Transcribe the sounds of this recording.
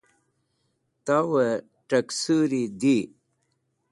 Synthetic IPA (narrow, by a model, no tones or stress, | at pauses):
t̪awə | ʈəksuɾid̪i